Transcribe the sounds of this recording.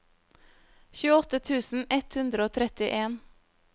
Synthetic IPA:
çʉːəɔt̪ət̪ʰʉːsn̩ɛt̪hʉnd̪ɾəoːt̪ʰɾɛt̪ɪʔeːn

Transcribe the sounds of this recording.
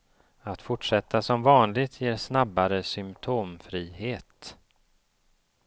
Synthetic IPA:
at̪fʊʈʂɛt̪ːasɔmvɑːnlɪɡt̪ʰjeːɾsnabːaɾəsʏmpt̪ʰoːmfɾiːɦeːt̪

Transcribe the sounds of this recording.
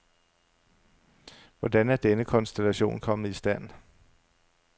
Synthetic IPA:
ʋɒdænæɐd̥enəkʰɒ̽nsd̥elæɕo̝̰ːnkʰɒ̽məð̩ˠisd̥æn̰

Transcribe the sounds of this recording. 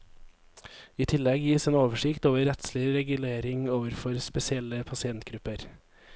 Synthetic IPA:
iːt̪ʰɪlɛɡjiːseːnoːʋəʂɪkt̪oːʋəɾɛt̪slɪɾɛɡʉleːɾɪŋoːʋəɾfɔɾspɛsɪɛlːəpʰɑsɪɛnt̪ɡɾʉpəɾ

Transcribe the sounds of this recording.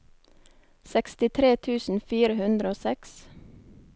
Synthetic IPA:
sɛkst̪ɪt̪ʰɾeːt̪ʰʉːsn̩fiːɾəhʉnd̪ɾəoːsɛks

